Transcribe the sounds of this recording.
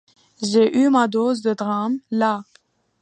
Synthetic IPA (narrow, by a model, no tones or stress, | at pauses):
ʒeʔymad̪ozd̪əd̪ʁamla